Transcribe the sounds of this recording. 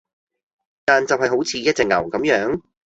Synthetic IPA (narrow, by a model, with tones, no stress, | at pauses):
t̪aː˨nt͡sɐ˨wɦɐ˨˩jɦo˨˥wt͡sʰiː˨˧˥jɐ˥t̚t͡sɛː˨˧k̚ŋɐ̰˨˩wkɐ˨˧˥mjœː˨˥ŋ